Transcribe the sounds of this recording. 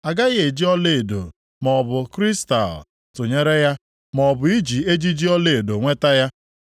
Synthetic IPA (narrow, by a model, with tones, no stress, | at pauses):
a˨ɡa˦ɣe˨d͡ʒi˦ɔ˦le˨do̰˨ | mɔ˨bʊ˨kɾi˦sta̰˨l | tʊ˨ɲe˦ɾe˦ja˦ | mɔ˨bʊ˨i˦d͡ʒi˨e˦d͡ʒi˦d͡ʒi˦ɔ˦le˦˨e˨do˨ŋʷe˦ta˦ja˦